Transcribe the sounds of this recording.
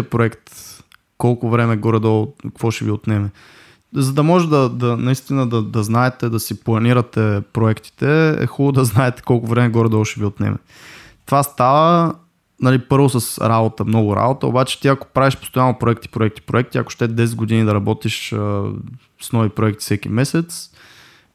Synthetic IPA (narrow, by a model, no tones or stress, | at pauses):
pɾoɛkt̪ | kɔlˠkʊvɾɛmɛɡɔɾɛd̪ɔlˠkkvɔʃɛviot̪nɛmɛ | zɐd̪ɐmɔʒɛd̪ɐd̪ɐnɐist̪inəd̪ɐd̪ɐznaɛt̪ɛd̪ɐsiplˠɐniɾɐt̪ɛpɾoɛkt̪i̥t̪ɛɛ̰xubˠod̪ɐznaɛt̪ɛ̥kɔlˠkʊvɾɛmɛɡɔɾɛd̪ɔlˠʃɛviot̪nɛ̰mɛ̰ | t̪ovast̪avə | nɐlipɤɾvosəsɾabot̪əmnɔɡʊɾa̰bot̪əo̰bat͡ʃɛ̥t̪iɐko̥pɾaviʃpo̥st̪ojanopɾoɛk̚t̪i̥pɾoɛkt̪i̥pɾoɛk̚t̪iɐ̰ko̥ʃt̪ɛd̪ɛs̬ɛd̪ɡod̪inid̪ɐɾɐbɔt̪iʃə | snɔvipɾoɛkt̪i̥sɛkḭmɛsɛt̪s